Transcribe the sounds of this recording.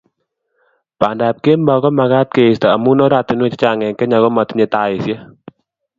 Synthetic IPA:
pa˨nda˨p̚ke˦mbɔ˨kɔ˦ma˧ɡa˦t̚ke˨st̪ɔ˨a˨mu˦nɔ˦da˨t̪ɪ˨nwe˦t͡ʃɪ̥˦t͡ʃa˨ŋɛ˨ŋke˦ɲa˨ɣɔ˦ma˨t̪i˦ɲe˨t̪a˨ɪ˨sje˦

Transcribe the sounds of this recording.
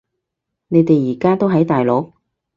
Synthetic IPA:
ne˨˧jt̪e˨jːiː˨˩kaː˥t̪o˥wɦɐ˨˥jt̪aː˨jlo˨˥k̚

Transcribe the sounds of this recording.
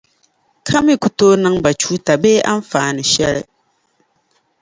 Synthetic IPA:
kʰa˦mi˦ku˨toː˦nɨ˦ŋba˨t͡ʃuː˦ta˨beː˦ʔa˦ɱ˦faː˨nɨ˨ʃɛ˦ɾɨ˦˨

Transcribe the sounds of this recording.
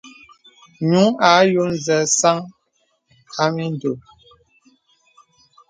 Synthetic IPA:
ɲu˨˦ŋa˨˦jo˦n˦zɛ˨sa˦ŋ | a˦mi˦n˦do˨

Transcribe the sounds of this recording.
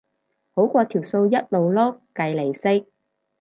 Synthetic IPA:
ho˨˥wkʷɔː˧t̪ʰiː˨˩wso˧wjɐ˥t̚lo˨wlɔ˥k̚ːɐ˨jle˨˩jsɪ˥k̚

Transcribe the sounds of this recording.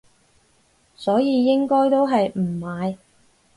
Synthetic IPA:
sɔː˨˥jiː˨˧jɪ˥ŋkɔː˥jt̪o˥wɦɐ˨jm̩˨˩maː˨˧j

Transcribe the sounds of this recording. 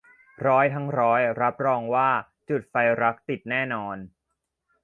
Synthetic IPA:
ɾɔː˦˥jt̪ʰa˦˥ŋɾɔː˦˥jɾa˦˥p̚ɾɔː˧ŋwaː˥˩ | t͡ɕu˨˩t̪̚fa˧jɾa˦˥k̚t̪i˨˩t̪̚nɛː˥˩nɔː˧n

